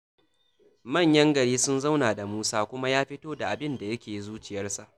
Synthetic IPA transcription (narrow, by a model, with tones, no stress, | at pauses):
mɐ˦˨ɲjɐ˦ŋɡɐ˨ɽiː˦sʊ˦nza˦wnaː˨da˨muː˦saː˦kʷʊ˦ma˦jaː˦ɸɪ˦toː˦da˨ʔa˨bɪ˦nda˨jɐ˦kʲeː˨ji˦zuː˦t͡ʃɪ˨jɐ˦rsa˨ʔ